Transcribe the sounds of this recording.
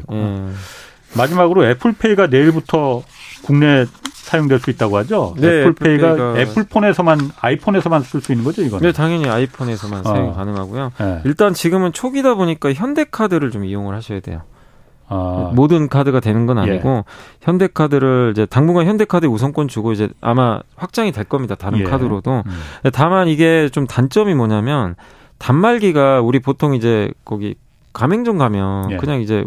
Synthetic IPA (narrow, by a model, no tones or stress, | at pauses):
je | mad͡ʑimaɡɯɾoe̞pʰɯɭpʰe̞iɡane̞iɭbutʰʌkuŋne̞sʰajoŋdwe̞ɭs͈uit̚t͈aɡohad͡ʑoneɭpʰeiɡaepʰɯɭpʰone̞sʰʌmanaipʰone̞sʰʌmansʰɯɭs͈uinːɯnŋɡʌd͡ʑoiɡʌne̞taŋjʌɲiaipʰone̞sʰʌmanʰajoŋɭkanɯŋɦaɡujoiɭt͈ant͡ɕiɡɯmɯnt͡ɕʰoɡidaboɲik͈açjʌnde̞kʰadɯɾɯɭt͡ɕomijoŋɯɭhaɕʰʌjadwe̞̰jo̰ | modɯnkʰadɯɡadwe̞nɯnɡʌna̰ɲiɡoçjʌnde̞kʰadɯɾɯɭid͡ʑe̞taŋbuɡaçjʌnde̞kʰadɯusʰʌŋkwʌnit͡ɕuɡoid͡ʑe̞a̰maɸwak̚t͡ɕ͈aŋidwe̞ɭk͈ʌmɲidataɾɯnkʰadɯɾodoetamaniɡe̞t͡ɕomtant͡ɕ͈ʌmimʌɲamjʌn | tamːaɭɡiɡauɾipotʰoŋid͡ʑe̞kʌɡḭ | kameŋd͡ʑoŋɡamjʌnkɯɲaŋid͡ʑe̞